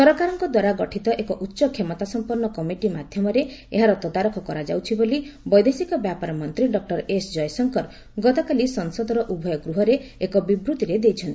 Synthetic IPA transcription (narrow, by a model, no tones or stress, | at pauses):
sɔɾɔkaɾɔŋkɔd̪waɾaɡɔʈʰit̪ɔʔekɔʔutːʃɔkʰːemɔt̪asɔmpuɾɳɔkɔmiʈimad̪ʱjɔmɔɾeḛɦaɾɔt̪ɔd̪aɾɔkʰɔkɔɾad͡ʒawt͡ʃʰibolibɔjd̪esikɔbjapaɾɔmɔnt̪ɾiɖɔk̚ʈɔɾesd͡ʒɔjsɔŋkɔɾ | ɡɔt̪ɔkalisɔnsɔd̪ʱɔɾɔʔubʱɔjɔɡɾuɦɔɾeekɔbibɾut̪iɾed̪ejt͡ʃʰɔnt̪ii